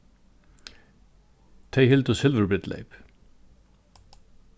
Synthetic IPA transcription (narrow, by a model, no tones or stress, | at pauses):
t̪ʰejhɪlt̪ʏsɪlvəɾbɹɪt̪lḛjp